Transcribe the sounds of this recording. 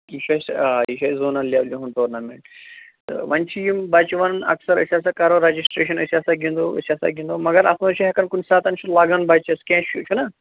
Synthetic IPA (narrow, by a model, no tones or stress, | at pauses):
iʃasiʃaːzoːnalʲiaːʋlʲuɦunʈoːɾnameɳʈt̪ɨ̰ʋɐnt͡ʃʰijimbat͡ʃiʋɐnnɐ̰ksɐɾɐ̰sʲas̬akaɾoɾɐd͡ʒisʈɾeːʃ̬ɐnɐsiaːsaɡʱĩnd̪oɐ̰sʲaːsa̰ɡʲĩnd̪omɐɡɐɾɐsmɐt͡ʃʰuɦɛkɐnkunʲsaːt̪ɐnt͡ʃʰulaːɡanbaːt͡ʃɐskʲɛ̃t͡ʃʰut͡ʃʰunɐ